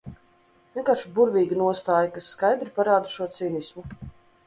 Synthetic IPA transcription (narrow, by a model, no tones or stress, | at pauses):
vʲiɛkaːɾʃubuɾvʲiːɡinuɔst̪aːjakasːkajd̪ɾipaɾaːd̪uʃuɔt̪siːnismu